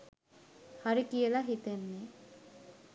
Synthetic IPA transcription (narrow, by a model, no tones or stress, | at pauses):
haɾikijəlaɦit̪enːe